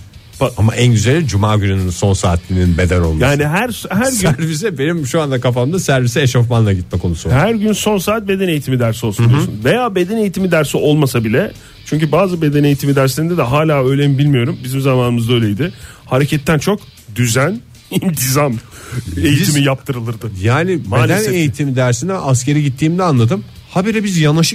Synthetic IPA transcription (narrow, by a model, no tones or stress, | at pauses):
baama̰ʔænɟyzelʲid͡ʒumaːɟynynynso̞nsa̰ːt̪ʰlʲinbe̞d̪æno̞lˠmjaːniɦæɾshæɾyæɾvis̬ɛbe̞nimʃuand̪akafamd̪asæɾvisɛeʃofmanlˠaɟit̪̚mɛkʰo̞nusuhæɾɟynso̞nsaːt̪̚be̞d̪ɛnejit̪ʰimid̪æɾsiosnd̪iosunzve̞jaːbe̞d̪ɛne̞jit̪ʰimid̪æɾsio̞lˠmasabilʲɛ | t͡ʃʰyɲcybaːzɯbe̞d̪ɛne̞jit̪ʰimid̪æɾslʲeind̪ɛd̪ɛɦaːlʲaːø̞jlʲeimbilʲmijo̞ɾumbizimzamaːnɯmɯzd̪aø̞jlʲejd̪ɪ | haɾecʰɛt̪ʰːænt͡ʃʰo̞k | d̪yzæn | int̪ʰizamejiimijap̚t̪ʰɯɾɯlˠɯɾd̪ɯjaːnibeld̪æne̞jit̪ʰimid̪æɾsind̪ɛʔasce̞ɾiɟit̪ʰːiːmd̪ɛanlˠad̪ɯmhabeɾɛbizjanaʃɯk